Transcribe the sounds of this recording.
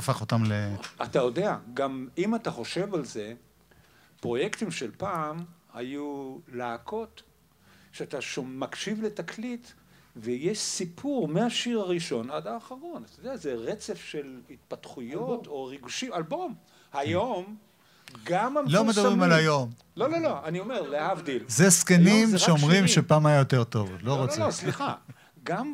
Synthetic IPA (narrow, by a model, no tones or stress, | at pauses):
faχot̪amleat̪ajo̞de̞aɡamimataχo̞ʃe̞valze̞ | pʁo̞je̞kt̪imʃelpaːmhajulaːkʰo̞t | ʃeat̪aʃomːakʃivle̞taklit | vejeʃsipʰuʁmeaʃiʁaʁiʃo̞nadaːχaʁo̞nat̪ajod̪eazeʁet͡se̞fʃe̞lit̪̚pat̪χujot̪ʰo̞ʁiɡuʃimalbo̞m | hajo̞m | ɡamamlomed̪abʁimalajo̞m | lo̞lo̞loanio̞meʁleavd̪ilzeskenimʃeomʁimʃepaːmajajot̪e̞ʁt̪o̞̰vloʁot͡sosliχa | ɡam